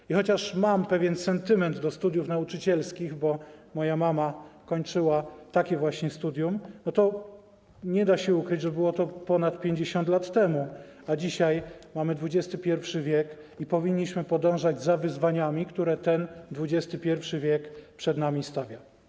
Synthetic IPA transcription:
ixɔt͡ɕaʂmampɛvʲjɛnsɛnt̪ɘmɛnd̪d̪ɔst̪ud̪jufnaut͡ʂɘt͡ɕɛlskʲiɣbɔmɔjamamakɔɲt͡ʂɘwat̪akʲɛvwaɕɲɛst̪ud̪ʲjumnɔt̪ɔ | ɲɛd̪aɕɛukɾɘd͡ʑʐɛbɘwɔt̪ɔpɔnat̪pʲjeɲd͡ʑeɕɔnt̪lat̪ːɛmu | ad͡ʑiɕajmamɘd̪vud͡ʑɛst̪ɘpʲjɛɾfʂɘvʲjɛk | ipɔvʲiɲːiɕmɘpɔd̪ɔ̃w̃ʐad͡ʑzavɘzvaɲamʲikt̪uɾɛt̪ɛnd̪vud͡ʑɛst̪ɘpʲjɛɾfʂɘvʲjɛkpʂɛd̪namʲist̪avʲja

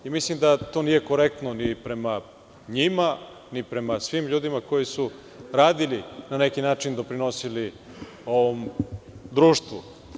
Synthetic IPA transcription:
imislimd̪at̪o̞ːnije̞ko̞ɾek̚t̪nonipɾe̞ma | ɲima | nipɾe̞masʋimʎuːd̪imako̞jisu | ɾaːd̪ilinane̞kinaːt͡ʂind̪o̞pɾino̞sili | o̞ʋomd̪ɾuːʃt̪ʋu

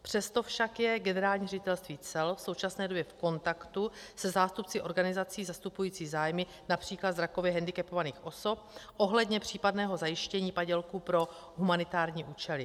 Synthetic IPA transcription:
pr̥ɛst̪o̞fʃakjɛɡɛnɛɾaːlɲiːrɛɟɪt̪ɛlst̪viːt͡sɛlfso̞wt͡ʃasnɛːdo̞bjɛfko̞nt̪akt̪usɛzaːst̪upt͡sɪʔo̞ɾɡanɪzat͡siːzast̪upujiːt͡siːzaːjmɪ | napr̝̥iːklad̪zɾako̞vjɛɦɛndɪkɛpo̞vaniːxʔo̞so̞p̚ʔo̞ɦlɛdɲɛpr̝̥iːpadnɛːɦo̞zajɪʃcɛɲiːpaɟɛlkupɾo̞ | ɦumanɪt̪aːɾɲiːʔuːt͡ʃɛlɪ

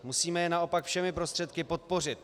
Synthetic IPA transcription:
musiːmɛjɛnao̞pakfʃɛmɪpɾo̞st̪r̥ɛt̪kɪpo̞t̪̚po̞rɪt̪̚

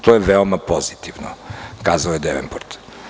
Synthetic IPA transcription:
t̪ɔɛvɛlˠmɐpɔzit̪ivno̰kazəɛd̪ɛvɛ̰nboɾt̪

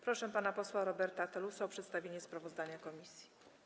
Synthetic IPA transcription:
pɾɔʂɛpanapɔswaɾɔbɛɾt̪at̪ɛlusaɔpʂɛt̪st̪avʲjeɲɛspɾavɔzd̪aɲakɔmʲisʲji̥

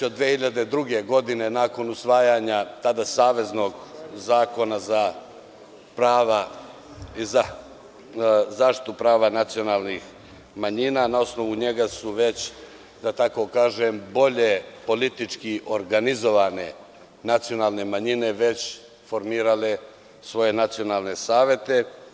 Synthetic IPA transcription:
od̪ʋehiʎad̪e̞d̪ɾuɡe̞ɡo̞d̪inenaːko̞nusʋaːjaɲat̪ad̪asaːʋe̞zno̞ɡzaːko̞naza | pɾaːʋa | iza | zaːʃt̪i̥t̪upɾaːʋanat̪sio̞naːlnix | maɲinanao̞sno̞ʋuɲe̞ɡasuʋe̞t͡ɕ | d̪at̪ako̞kaːʒembo̞ʎepo̞lit̪it͡ʂkiʔo̞ɾɡanizo̞ʋane̞̰ | nat̪sijo̞naːlˠne̞maɲine̞ʋe̞t͡ɕ | fo̞ɾmiːɾale | sʋo̞je̞nat̪sio̞naːlˠne̞saːʋje̞t̪e̞

